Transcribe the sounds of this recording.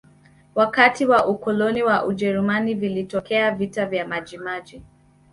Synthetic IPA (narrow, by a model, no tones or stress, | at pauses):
wakatiwaʔukɔlɔniwaʔuʄɛɾumanivilitɔkɛavitavjamaʄimaʄi